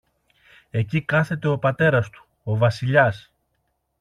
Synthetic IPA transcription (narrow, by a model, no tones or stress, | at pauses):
e̞cikɐθe̞t̪e̞o̞pɐt̪e̞ɾɐst̪u̥ | o̞vɐsiʎɐs